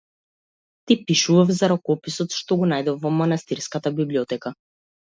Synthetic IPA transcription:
t̪ipiʃuvafzaɾɔkɔpisɔt̪ʃt̪ɔɡɔnajd̪ɔfːɔmanast̪iɾskat̪abibliɔt̪ɛka

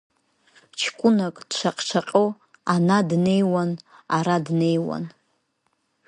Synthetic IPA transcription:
t͡ʃʰkʷʼʊnakʼd̥t͡ʃʷʰaqʼt͡ʃʷʰaqʼo | anadne̞jwanaɾadne̞jwa̰n

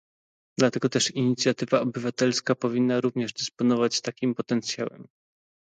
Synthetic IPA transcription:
d̪lat̪ɛɡɔt̪ɛʂiɲit̪sʲjat̪ɘvaɔbɘvat̪ɛlskapɔvʲinːaɾuvɲɛʐd̪ɘspɔnɔvat͡ɕt̪akʲimpɔt̪ɛnt̪sʲjawɛ̰m

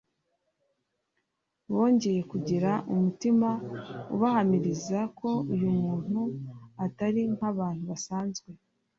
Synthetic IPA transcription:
βo̞ːɲɟe̞je̞kuɟiɾaʔumutimaṵβahamiɾizako̞ujumuːn̥huataɾiŋ̥haβaːn̥huβasaːnzɡwe̞

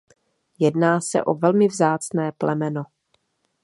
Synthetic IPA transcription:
jɛdnaːsɛ̰ʔo̰vɛlmɪvzaːt͡snɛːplʔɛmɛno

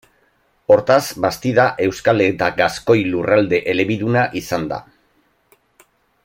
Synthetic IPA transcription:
o̞ɾt̪azbast̪iðaʔe̞wskalet̪aɡasko̞jlurald̪e̞ʔele̞βiðunaʔisand̪a̰

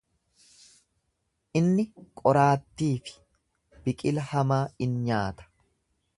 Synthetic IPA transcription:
ʔɪnːɪkʼɔɾaːt̪ːiːfɪ̥ | b̥ɪkʼɪlɐhɐmaːɪnɲaːt̪ɐ̥

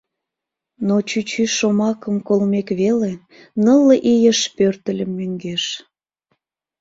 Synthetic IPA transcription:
not͡ɕyt͡ɕyʃomɑkəmkolmekβele | nəlːəʔijəʃpørt̪əlʲəmːøŋɡeʃ

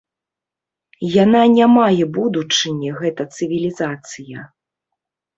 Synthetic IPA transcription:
jananʲamajɛbud̪ut͡ʂɨnʲɛɣɛt̪ɐt̪sɨvʲilʲizat̪sɨjɐ

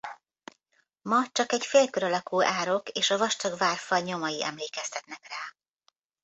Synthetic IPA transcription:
mɒt͡ʃɒkɛcfeːlkøɾɒlɒkuːʔaːɾo̞keːʃɒvɒʃt̪ɒɡvaːrfɒlɲo̞mɒjiʔɛ̰mleːkɛst̪ɛt̪nɛkraː

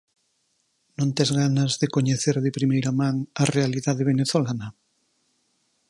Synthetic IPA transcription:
nõnt̪ezɣanazðekoɲeθeɾðepɾimejɾamãŋɐrealiðaðeβeneθolanɐ

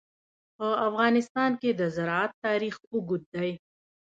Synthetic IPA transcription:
pəafɣɑːnɪst̪ɑːnked̪əzɐɾɑat̪ːɑːɾiːxʊɡʊd̪̚d̪aj

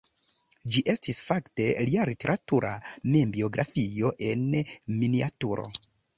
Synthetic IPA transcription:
d͡ʒiʔe̞stisfakte̞lialite̞ɾatuɾʔamembio̞ɡɾʔa̰fio̞ʔe̞nminiatuɾo̞̰

